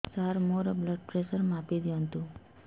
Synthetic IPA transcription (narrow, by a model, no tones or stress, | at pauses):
saɾmoɾəbləɖ̚pɾesəɾmapid̪joənt̪ũ